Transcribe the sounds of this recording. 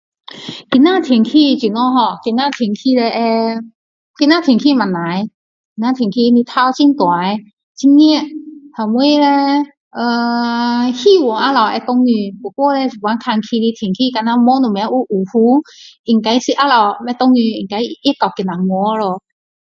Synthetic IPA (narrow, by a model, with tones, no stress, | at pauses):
ki˧naː˥˨t̪ʰi˨˩˦ŋkʰiː˧˩t͡ɕi˨˩˦nɔ˧˨ɦɔ˧˩ki˧naː˧˥˩t̪ʰi˨˩˨ŋkʰi˧˨lɛ˧ʔɛ˧ | ki˧naː˧˥˨t̪ʰi˨˩˦ŋkʰiː˧˩˨ma˨nːa˨˦j | ki˧naː˧˥˩t̪ʰi˨˩ŋkʰi˧ni˧˦t̪ʰa˧˨wt͡ɕi˧ŋt̪wa˨˦j | t͡ɕʰi˧ŋːi˧˨ʔhʰa˨˩mu˧˦˨lɛ˧ | ʔə˧˩ | hi˧˩˨wɔ˨˦ʔa˧la˨˩wʔɛ˧t̪o˧ŋːi˧ku˨˧˦kɔ˧˨lɛ˧si˨˩wa˧˦nkʰa˧ŋkʰi˧li˧˦t̪ʰi˨˩ŋkʰiː˧ka˧na˧mɔ˧˦nu˨˩˨mɛ˧˦ʔu˧˦ʔu˨˩hu˧˦ʔi˨˩ŋka˧˦jsi˧˦ʔa˧˥la˧˩wmɛ˧˦t̪o˧ŋːi˧i˨ŋka˧˦jʔi˧˥˨ka˨˩wki˧˩na˨ŋɔ˧˦˧lo˧˩